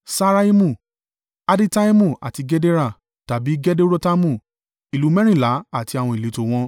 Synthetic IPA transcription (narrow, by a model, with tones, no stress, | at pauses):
sa˦ɾa˦i˦mũ˦˨ | a˧di˦ta˦i˦mũ˦˨a̰˨ti˨˧ɡɛ˦de˦ɾa˦˨ | ta˨bi˨˦ɡɛ˦de˦ɾo˦ta˦mũ˦˨ | i˨lu˨˦mɛ̃˦ɾ̃ĩ˦˨la˨˦a˦˨ti˧a˨w̃ɔ̃˧i˨e˨˦to˨w̃ɔ̃˧